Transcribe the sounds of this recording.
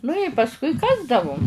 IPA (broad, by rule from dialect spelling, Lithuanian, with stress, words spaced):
nʊ ɪ pɐsˈkʊɪ ˈkɑːzdɐʋʊm